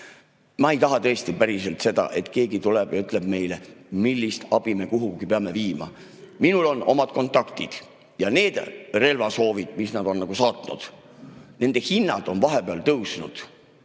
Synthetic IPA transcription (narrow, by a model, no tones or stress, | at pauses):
mɑejt̪ɑɦɑt̪ɤ̞est̪ipæɾise̞lt̪se̞d̪ɑ̰ʔe̞t̪ke̞ːɡit̪uleb̥jɑyt̪ˑle̞b̥̚me̞jlemilːist̪ɑb̥ime̞kuɦuɡ̥ipeɑme̞viːmɑ̰ | minulo̞nʔo̞mɑd̪̥ko̞nt̪ːˑɑkt̪id̪̥ | jɑne̞ːd̪̥re̞lvɑso̞ːvid̪̥misnɑd̪o̞nːɑɡusɑːt̪nṵd̪̥ | ne̞nd̪̥e̞hinːɑd̪̥o̞nvɑɦepeɑlt̪ɤwsnṵd̪̥